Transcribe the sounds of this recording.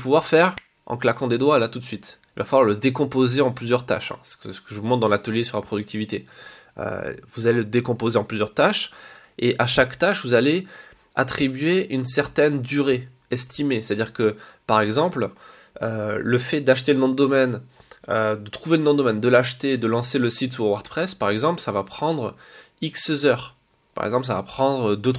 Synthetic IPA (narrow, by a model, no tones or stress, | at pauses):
puvwaʁfɛʁ | ɑ̰̃klakɑ̃d̪ed̪walat̪ut̪sɥit̪ilvafalwaʁləd̪ekɔ̃pozeɑ̃plyzjœʁt̪a̰ʃɛ̰̃ssə̥kəʒəvumɑ̃d̪ɑ̃lat̪əljesyʁlapχɔd̪yk̚t̪ʰivit̪eø̰vuzaleləd̪ekɔ̃pozeɑ̃plyzjœʁt̪aʃeʔaʃakt̪aʃvuzale | at̪χibɥeynsɛʁt̪ɛnd̪yʁe | ɛst̪ʰimese̥t̪ad̪iʁkəpaʁɛɡzɑ̃pl | øləfɛd̪aʃt̪elənɔ̃d̪əd̪ɔmɛnød̪ət̪χuvelənɔ̃d̪d̪ɔmɛnd̪əlaʃt̪ed̪əlɑ̃seləsit̪suwaʁd̪pχɛspaʁɛɡzɑ̃plsavapχɑ̃d̪ʁ | iksəzœʁ | pa̰ʁɛ̰ɡzɑ̃pls̬avapχɑ̃d̪ʁəd̪øt̪